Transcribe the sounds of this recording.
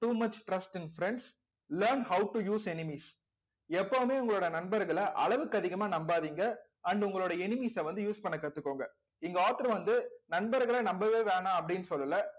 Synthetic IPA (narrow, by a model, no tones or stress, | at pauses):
ʈuːmɐt͡ʃʈɾɐsʈɪnfɾɛɳɖs | lɐːɾnhɐʊʈujuːsɛnɪmiːs | ɛpːoːmeːʊ̃ŋɡɐɭoːɽɐnɐnbɐɾɣɐɭɐʔɐ̰ɭɐʋɯkːɐðɪɣɐmaːnɐmbaːðiːŋɡɐ | ɐnɖʊŋɡɐɭoːɽɐɛnɪmiːsɐʋɐnd̪ɯjuːspɐɳːɐkːɐt̪ːɯkːoːŋɡɐ | ɪŋɡɐaːt̪ɐɾɐʋɐnd̪ɯnɐnbɐɾɣɐɭɐnɐmbɐʋeːʋeːnãːɐpːɐɽɪnːɯsɔlːɐlɐ